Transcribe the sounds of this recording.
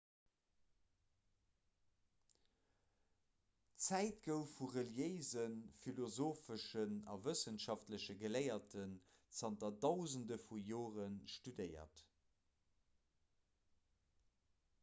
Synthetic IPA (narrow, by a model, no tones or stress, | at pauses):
t͡sæɪtɡəʊfuʁəljeɪzənfilozoːfəʃənɑ̰vəsənʃɑftləɕəɡəlɜɪɐtən | t͡sɑntɐdɑʊzəndəfujoːʁənʃtudəɪɐ̰t